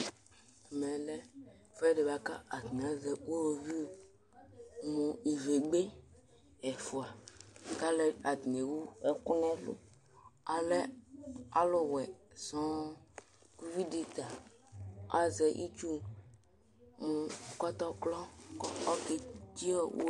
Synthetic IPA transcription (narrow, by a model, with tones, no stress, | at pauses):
mɛ̃˨lɛ˦ | fɛ˦ɖe˨ba˨ka˦a˨d̪n˨a˨˦zɛ˨wo˦o˨vi˦o˨ | mũ˨i˨ve˨ɡ͡be˦ | ɛ˨fo˨a˨ka˦le˦a˨d̪ne˨wu˦e˨ku˦nɛ̃˦lo̰˦ | a˨lɛ˦a̰˦lo˦wɛ˨sɔ̃˦ | ku˦vi˦ɖe˨t̪a˨ | a̰˦zɛ˨ʔḭ˦t͡ʃu˦ | mũ˨kɔ˦t̪ɔ˦klɔ˦kɔ˦ɔ˦ke˨d͡ʒi˦ɔ˦wʔo˦